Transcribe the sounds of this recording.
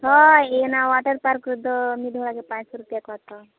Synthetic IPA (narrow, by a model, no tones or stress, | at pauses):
ɦɔenaʋaʈəɾpaɾkɾud̪ʱɔmid̪ʱɔɭaɡepãt͡ʃsɔɾupjakɔɾt̪ɔ